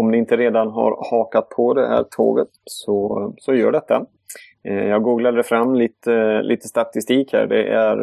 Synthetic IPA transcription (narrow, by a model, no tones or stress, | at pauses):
ɔmd̪ɪɪnt̪əɾeːd̪anɦa̰ɾhɑːkat̪̚pʰɔd̪ɛhæ̰ːɾʈ̪ʰo̰ːɡət̪sɔsɔjœːɖɛt̪ʰːa | jɑːɡɡuːɡlaɛfɾamːliːt̪əlʔḭːt̪əst̪at̪ɪst̪iːkhæ̰ːɖɛʔæɾ